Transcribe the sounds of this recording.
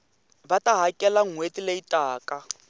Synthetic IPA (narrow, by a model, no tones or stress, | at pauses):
bataɦakʼɛlaŋ̩wetileitʼaːka